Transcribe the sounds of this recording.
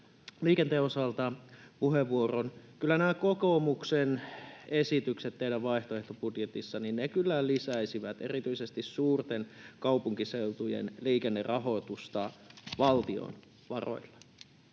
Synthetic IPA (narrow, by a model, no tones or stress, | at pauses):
liːkent̪eːosɑlt̪ɑpuɦeʋːuoronkylːænæækokomuksenesit̪ykset̪t̪ːeidæʋʋɑiht̪oeht̪opudjet̪isːɑninnekylːælisæisiʋæt̪ḛrit̪yisest̪issuːrt̪enkɑupuŋkiseut̪ujḛnliːkenːerɑɦot̪ust̪ɑʋɑlt̪io̰n | ʋɑro̰ilːɑ